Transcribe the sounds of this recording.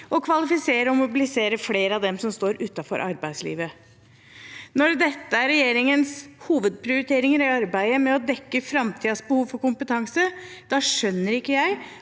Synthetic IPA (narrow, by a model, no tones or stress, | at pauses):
ɔkʰʋɑlɪfɪseːɾəɔmʊbɪlɪseːɾəfleːɾəɑʋd̪ɛmsɔmst̪oːɾʉːt̪ːɑfɔ̰ɾʔɑɾbæɪd̪slḭːʋə | nɔɾd̪ɛt̪ːəæɾɛjeːɾɪŋənshuːʋəd̪̚pʰɾɪʊɾɪt̪ʰeːɾɪŋəɾɛɑɾbæɪəmɛɔd̪ɛkːəfɾɑmt̪ʰiːɑsbəhuːʋfɔɾkʊmpət̪ʰɑŋsəd̪̥ɑʂœnːəɾɪkːəjæɪ